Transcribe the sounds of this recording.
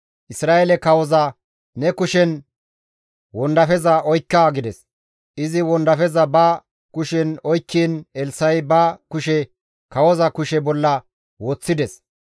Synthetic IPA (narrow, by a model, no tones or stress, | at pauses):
ʔɪsɾaːelɛkɐwɔzɐ | nɛkʊʃɛn | wɔnd̪ɐfɛzɐʔɔjkːaɡɪd̪ɛs | ʔɪzɪwɔnd̪ɐfɛzɐbɐ | kʊʃɛnɔjkːiːnɛlsɐjbɐkʊʃɛ | kɐwɔzɐkʊʃɛbɔlːɐ | woːt͡sːɪd̪ɛs